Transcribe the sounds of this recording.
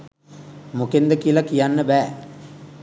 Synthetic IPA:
mukend̪ɐkilɐkijanːəʋæː

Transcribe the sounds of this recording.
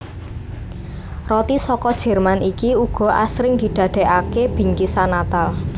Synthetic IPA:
rɔt̪isɔkɔd̥ʒ̥ɛ̤rmanikiuɡ̥ɔ̤ʔa̰sɾɪŋd̪̥i̤d̪̥ä̤d̪̥e̤ʔakeb̥i̤ŋkisanat̪al

